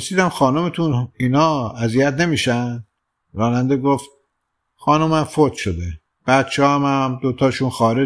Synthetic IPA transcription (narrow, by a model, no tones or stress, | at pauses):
osiːd̪æmxɒːnomet̪ʰuniːnɒːæzijæt̪ne̞miːʃænd̪ | ɾɒːnænd̪eɡoft̪̚ | xɒːnomæmfot̪ʃod̪e | b̥æt̪̚t͡ʃʰeɒmæmd̪ot̪ʰɒːʃuːnxɒːɾe